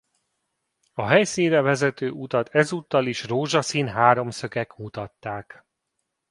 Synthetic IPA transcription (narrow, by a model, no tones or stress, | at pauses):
ɒɦɛjsinrɛvɛzɛt̪øːut̪ɒt̪ʰɛzuːt̪ːɒliʃroːʒɒsinɦaːɾo̞msø̞kɛkmut̪ɒt̪ːaːk